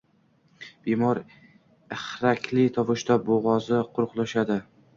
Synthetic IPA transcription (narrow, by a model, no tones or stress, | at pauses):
b̥emɒɾ | ɪχɾakʲʰlɪt̪ʰɒvʊʃt̪aboʁɒzɪqʰʊɾʊqlˠaʃad̪ɪ